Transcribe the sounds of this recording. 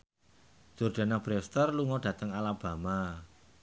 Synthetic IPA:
d͡ʒ̥ord̥a̤nab̥ɾɛst̪ərluŋɔɖ̥ä̤t̪əŋalab̥a̤ma

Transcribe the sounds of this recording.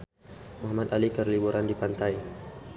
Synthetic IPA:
mɔɦamat̪alikərlibuɾandipant̪aj

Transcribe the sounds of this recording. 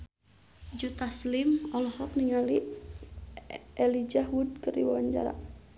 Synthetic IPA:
d͡ʒut̪aslimɔlɔhɔk̚niŋali | ɛlid͡ʒaɦud̚kərḭwawaɲd͡ʒa̰ɾa̰

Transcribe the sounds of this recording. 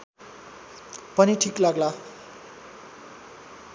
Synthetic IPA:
pʌniʈʰiklaɡla

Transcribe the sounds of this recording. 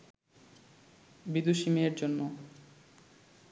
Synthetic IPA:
bid̪uʃimeɾd͡ʑonːo

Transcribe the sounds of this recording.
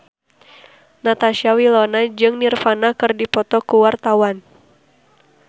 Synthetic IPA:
nat̪aʃiawilonad͡ʒɨŋnirfanakɨrdipɔt̪ɔkuwart̪awan

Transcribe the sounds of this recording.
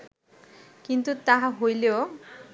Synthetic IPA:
kint̪ut̪aɦaɦojleo

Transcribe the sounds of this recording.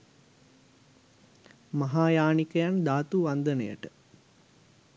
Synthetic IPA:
mɐɦaːjaːnikəjand̪aːt̪uʋand̪ənə̰jə̰ʈə

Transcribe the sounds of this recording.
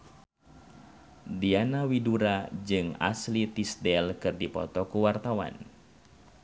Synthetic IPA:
dianawiduɾad͡ʒɨŋa̰slit̪isdɛlkɨrdipɔ̰t̪ɔkuwart̪awa̰n

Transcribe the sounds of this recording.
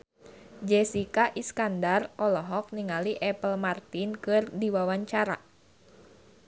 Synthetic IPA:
d͡ʒɛsikaʔiskandarɔlɔɦɔk̚niŋaliʔɛpəlmart̪inkɨrdiwawaɲt͡ʃaɾa̰

